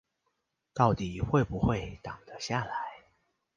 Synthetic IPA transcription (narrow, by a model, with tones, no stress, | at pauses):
t̪ɑ˥˩ʊt̪i˨˩xwe˥˩ɪpu˨˦xwe˥˨ɪt̪ɑ˨˩ŋd̪̥ə˦ɕja˥˨la˨˦ɪ